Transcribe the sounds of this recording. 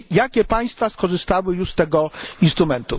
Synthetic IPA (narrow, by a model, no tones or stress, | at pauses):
jakʲɛpaj̃st̪faskɔʐɘst̪awɘjuʂst̪ɛɡɔinst̪ɾumɛnt̪u